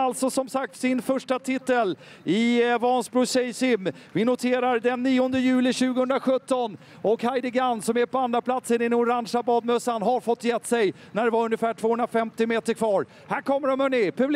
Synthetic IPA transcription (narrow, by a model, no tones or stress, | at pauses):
alt̪sɔsɔmsak̚t̪sɪnfœʂʈat̪ʰɪt̪ːəl | ɪvɑnsbɾʊsɛjsɪmː | vɪnʊt̪ʰeːɾaɾd̪ɛnːiːɔnd̪əjʉ̟ːlɪɕʉ̟ːɡəhɵnd̪ɾaɧɵt̪ːɔn | ɔkhajd̪ɪɡanːsɔmæɾpʰɔand̪ɾapʰlat̪sənɪnːʊɾanʂabɑːd̪̚mœsanɦaɾfɔt̪ːjɛt̪ːsɛjnæɖɛvaɾɵnjəfæːʈʰv̥oːhɵnɾafɛmt̪ɪmeːt̪əɾkʰvɑːɾ | hæːɾkʰɔmːəɖɔmɵnːɪpʰɵbl